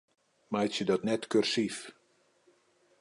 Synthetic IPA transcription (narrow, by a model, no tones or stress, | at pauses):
majtsjədɔtnɛtkørsif